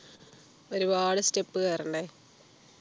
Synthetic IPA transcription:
oɾubaːɽɨstepːɨkɐjrɐɳɖe

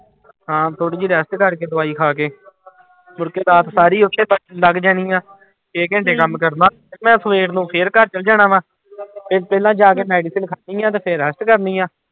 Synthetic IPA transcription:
ɦãːt̪ʰoːɽiːd͡ʒiːɾɛsʈkəɾkeːd̪ʊaːiːkʰaːkeː | mʊɾkeːd̪aːt̪saːɾiːʊt̪ʰːeːpəʈləɡd͡ʒaːniːãː | keːkɪ̃ɳʈeːkəmkəɾnãː | ɾmɛ̃ːsəʋeːʈnũːpʰɪɾkəɾt͡ʃəld͡ʒaːnãːʋãː | pʰɪɾpɛːlãːd͡ʒaːk̬eːmɛːɖiːsɪlkʰaːnĩːãːt̪̬eːpʰɪɾəsʈkəɾnĩːãː

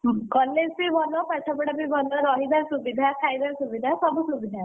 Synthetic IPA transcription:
kɔlːed͡zbibʱɔlɔpat͡ʃʰapəɽabibʱɔlɔɾɔɦid̪ʱaɾsubid̪ʱakʰajd̪aɾsubid̪ʱasɔbusubid̪ʱa

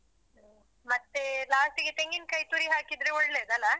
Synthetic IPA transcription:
mak̚t̪elast̪iɡet̪eŋɡinkait̪uɾiːɦakid̪ɾeʋəɽled͡zala

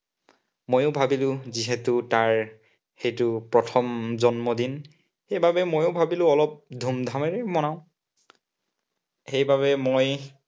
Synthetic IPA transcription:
mojʊbʱabilʊ̃ziɦɛtʊtaɹ | xejtʊpɹɔtʰɔmzɔnmɔdin | xejbabɛmojʊbʱabilʊ̃ɔlɔp̚dʱumdʱamɛɹɛmɔnaʊ̃ | xejbaβɛmoj

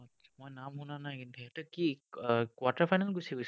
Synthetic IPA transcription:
ɔ | ḁmojnamɦunanajkintuɦɛtʊkikwatapʰajnalɡusiɡojs

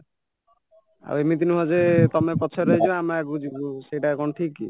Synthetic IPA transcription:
a̰wemit̪̬inuɦɔd͡ʒet̪ɔmepɔt͡ʃʰɔɾɔɦet͡ʃʰɔamaɡud͡ʒikusejʈakɔnɔʈʰikːḭ

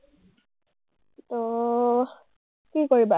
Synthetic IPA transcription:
to | kikoɹiba

